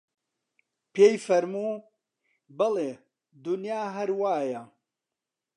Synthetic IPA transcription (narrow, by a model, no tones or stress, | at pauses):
peːjfɐɾmuː | bɐle | d̪unjaːɦɐɾwaːjɐ